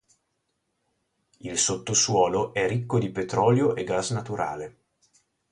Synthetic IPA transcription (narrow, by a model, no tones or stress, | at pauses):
ilsot̪ːoswɔːloʔɛrikːod̪ipet̪ɾɔːljoʔeɡasnat̪uɾa̰ːle